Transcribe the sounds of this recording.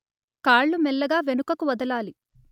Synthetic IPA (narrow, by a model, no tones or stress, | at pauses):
kaːɭːumɛlːɐɡaːʋenukɐkuʋɐd̪ɐlaːli